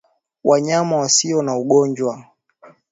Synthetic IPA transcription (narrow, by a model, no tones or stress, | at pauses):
waɲamawasiɔnauɠɔɲd͡ʒwa